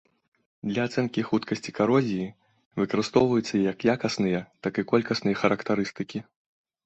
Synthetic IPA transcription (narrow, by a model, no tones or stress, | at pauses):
d̪lʲɐat̪sɛnkʲixut̪kɐsʲt͡sʲi̥kaɾɔzʲiji | vɨkɐɾɨst̪ɔwvɐjut̪sːɐijɐkjakɐsnɨjɐt̪akɨkɔlʲkɐsnɨjɐxɐɾɐkt̪aɾɨst̪ɨkʲi